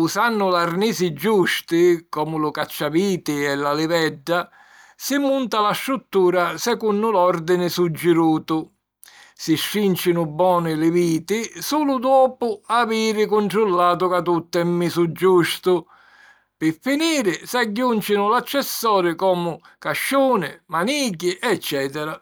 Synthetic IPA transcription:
usanːʊlarniːsɪd͡ʒːuʃt̪ɪkɔːmʊlʊkat͡ʃːaviːt̪ɪɛlalɪvɛɖːa | simːunt̪alaʃɾut̪ːuːɾasɛkunːʊlɔɾd̪ɪnɪsud͡ʒːɪɾuːt̪ʊ | siʃːint͡ʃɪnʊbːɔːnɪlɪviːt̪ɪsuːlʊd̪ɔːpʊaviːɾɪkʊɳʈɾulːaːt̪̬ʊkat̪ut̪ːɛmːisud͡ʒːuʃt̪ʊ | pɪfːiniːɾɪsaɟːunt͡ʃɪnʊlat͡ʃːɛsːɔːɾɪkɔːmʊ | kaʃːuːnɪmaniːɡ̬iʔɛt͡ʃːɛːt̪ɛɾa

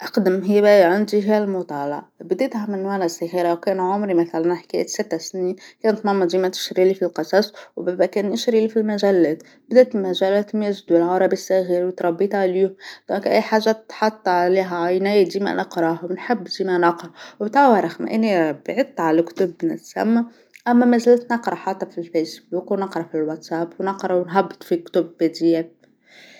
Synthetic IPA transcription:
ʔɑqd̪ɪmɦijːbæʕand̪iɦijælmʊt̪ˤɑːlɑ̰ʕbd̪eːt̪hæmɪnwælæsæɣiːɾawkæːnʕʊmɾimæθælænħkæ̰ːʔt̪sɪt̪ːæsniːkæːnt̪mɑmɑd̪iːmæt̪ɪ̥ʃɾilifilqɑsˤɑsˤwbæbækæːnʔɪʃɾilifilmæʒælːæːt̪ | bd̪æːt̪mæʒælæt̪mjæʒd̪uɪlʕɑɾˤɑbisːæɣiɾwt̪ɾˤɑbːiːt̪ʕliːhʊmd̪̥oːkʔæjːħaːʒːat̪ħɑt̪ˤːʕaliːɦæʕajnæjd̪iːmæ̰nʔɑqɾˤɑhwnħɪbːd̪iːmænɑqɾˤɑwbt̪awɑɾˤɑxmæ̰ʔɪnːibʕɪd̪̚t̪ːʕalækt̪ʊbːnɪ̰t̪sæ̰mːæ | ʔæmːæmæzælt̪nɑqɾˤɑħɑt̪ˤːɑfilfejsbuːkwnɑqɾˤɑfilwat̪sæpwnɑqɾˤɑwnɦæbːt̪ˤfikt̪ʊbːæd̪ijæ

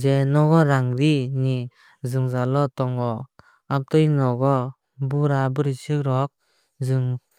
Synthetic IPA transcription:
zɛnɔɡɔɾaŋɾini | zɯŋzalɔtɔŋɔ | ap̚tɔjnɔɡɔ | buɾabɯɾisɯkɾɔk̚ | zɯŋ

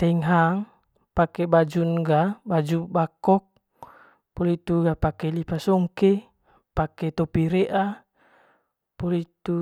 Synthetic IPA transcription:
t̪ɛŋɦaŋ | pakɛbad͡ʒunɡabad͡ʒubakɔk̚ | pɔlit̪uɡapakɛlipasɔŋkɛ | pakɛt̪ɔpiɾɛʔa | pɔlit̪u

